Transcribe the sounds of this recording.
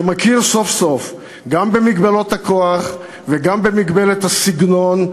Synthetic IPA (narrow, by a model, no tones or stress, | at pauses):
makiʁso̞fso̞f | ɡambe̞miɡbalot̪hako̞aχ | veɡambe̞miɡbe̞let̪hasiɡno̞n